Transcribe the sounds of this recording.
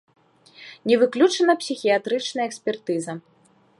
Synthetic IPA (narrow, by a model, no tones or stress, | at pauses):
nʲɛvɨklʲut͡ʂɐnɐpsʲixʲijat̪ɾɨt͡ʂnɐjɐɛksʲpʲɛrt̪ɨzɐ